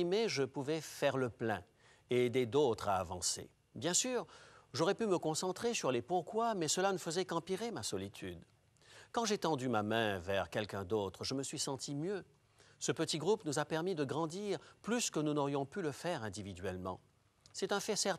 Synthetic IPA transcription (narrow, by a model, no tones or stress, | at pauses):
imeʒəpuvɛfɛʁləplɛ̰̃ | ed̪ed̪ot̪χaːvɑ̰̃sḛ | bjɛ̃syːʁʒɔʁɛpyməkɔ̃sɑ̃t̪χesyʁlepuʁkwamɛsəlanəfəzɛkɑ̃piʁemasɔlit̪ʰy̰d̪ | kɑ̃ʒet̪ɑ̃d̪ymamɛ̃vɛʁkʲɛlkʲɛ̃d̪ot̪χəʒəməsɥisɑ̃t̪ʰimjø | səpət̪iɡʁupnuzapɛʁmid̪əɡʁɑ̃d̪iʁplyskənunɔʁjɔ̃pyləfɛʁɛ̃d̪ivid̪ɥɛlmɑ̰̃ | sɛt̪ɛ̃fɛsɛʁ